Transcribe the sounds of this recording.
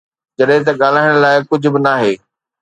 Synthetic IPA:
d͡ʑɐɗɦẽt̪̬ɐɠaːl̤aːɪɽ̃laːɪkʊd͡ʑʱʊ̆bɪnaːɦeː

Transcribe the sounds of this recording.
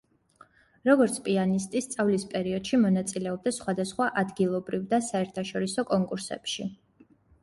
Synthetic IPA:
ɾɔɡɔɾt̪sʰpʼianist̪ʼist̪sʼavlispʼɛɾiɔd̪̥ʃimɔnat̪sʼilɛɔb̚d̪asχwad̪asχwaʔad̪ɡilˠɔbɾivd̪asaɛɾt̪ʰaʃɔɾisɔkʼɔŋkʼuɾsɛ̰pʃi

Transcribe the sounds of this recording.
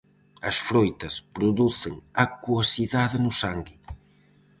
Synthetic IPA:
ɐ̰sfɾojt̪ɐspɾʊðuθɪŋakuosiðaðɪnʊsaŋɡi

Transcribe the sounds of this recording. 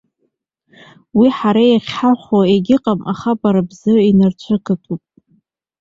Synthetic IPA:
wiħaɾajaχʲħaχʷaeɡʲɪqʼamʔa̰χapʼaɾabzɨinart͡ɕʷʰɨkʰʼatʼupʼ

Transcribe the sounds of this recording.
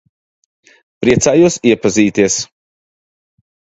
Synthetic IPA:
pɾiɛt̪saːjusiɛpaziːt̪iɛs

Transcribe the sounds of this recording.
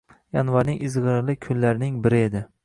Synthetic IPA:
janvaɾnɪŋʔɪzʁɨɾlˠɪkʲʰʊnlaɾnɪŋbɪɾɪe̞d̪ɪ

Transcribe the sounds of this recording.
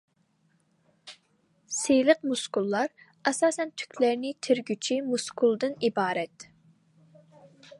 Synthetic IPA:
sejləq̚muskulˠːɑɾ | ɛsɑːsɛnt̪ʰy̥kʲlæɾnɪt̪ʰɪɾɡʲyt͡ʃʰimuskʰulˠd̪ɨnibɑːɾɛt̪

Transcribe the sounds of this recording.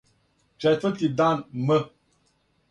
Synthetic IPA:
t͡ʃɛfətidanmə

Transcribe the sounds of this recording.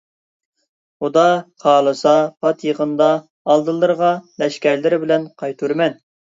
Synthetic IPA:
χud̪ɑqʰɑːlˠɨsɑpʰɑt̪jeʁənd̪ɑː | lˠd̪ɨlˠːɨɾʁɑlɛʃkʲɛɾlɪɾɪbɪlɛnqʰɑjt̪ʰuɾmɛn

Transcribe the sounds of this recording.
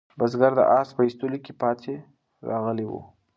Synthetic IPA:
bazɡaɾd̪ə̰ʔɑspəist̪ulikepɑt̪ʰe | ɾɑɣəlewṵ

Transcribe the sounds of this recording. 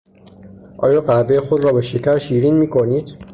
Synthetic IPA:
ʔɒ̰ːjɒːɢæbejexod̪ɾɒːbeʃecʰæɾʃiːɾiːnmiːkʰoniːd̪̥

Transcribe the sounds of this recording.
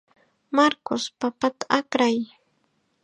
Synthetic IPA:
maɾkʊspapat̪ḁakɾaj

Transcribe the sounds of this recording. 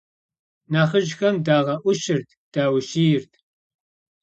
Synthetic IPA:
naːχəʒxɐmdaːʁɐʔʷʊʃɪrt̪̚ʰd̥aːwʃiːjɪrtʰ

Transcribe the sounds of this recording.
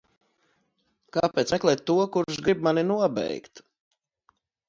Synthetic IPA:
kaːpɛːt̪smɛklˠɛːt̪ːuɔkuɾʃɡɾibmaninuɔbɛ̰jkt̪

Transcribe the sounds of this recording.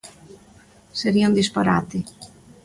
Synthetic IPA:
seɾiond̪ispaɾa̰t̪e

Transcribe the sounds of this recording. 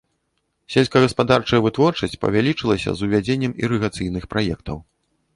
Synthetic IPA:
sʲelʲskɐɣɐspad̪art͡ʂɐjɐvɨt̪vɔrt͡ʂɐsʲt͡sʲpɐ̰vʲalʲit͡ʂɨlˠɐsʲɐ̰zuvʲad͡zʲenʲːɐmḭɾɨɣat̪sɨjnɨxpɾajɛkt̪ɐw

